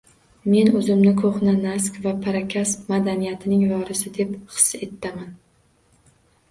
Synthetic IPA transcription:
me̞nɵzɪmnɪkʰoχnanas̬kʲvapʰaɾakʲʰasmad̪anijat̪ʰɪnɪŋvɒɾɪsɪd̪e̞pχɨ̥sːe̞t̪ʰːaman

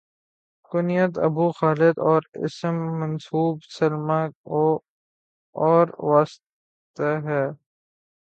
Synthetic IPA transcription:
kʊnɪjət̪ɐ̰buːxaːlɪd̪ɔːɾɪ̰smːɐnsuːbsɐlmao | ɔːɾʋaːs | t̪aɦɛː

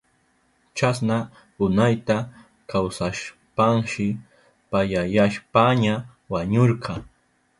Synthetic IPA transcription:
t͡ʃasna | ʊnajt̪a | kawsaʃ | paŋʃɪ | pajajaʃpaɲa | waɲoɾqʰɑ

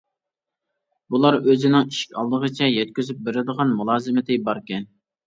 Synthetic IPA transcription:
bulˠɑɾøzɪnɪŋiʃkʲʰɑ̰lˠd̪əʁət͡ʃʰɛjɛt̪̚kʲyzyp̚beɾɪd̪əʁɑnmulˠɑːzɨmɪt̪ʰɪbɑɾkʲɛn

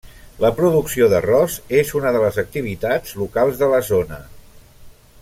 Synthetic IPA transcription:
ləpɾuðuksioðərɔzezunəðələzək̚t̪iβ̞it̪ad͡zlukalˠzðələzonə

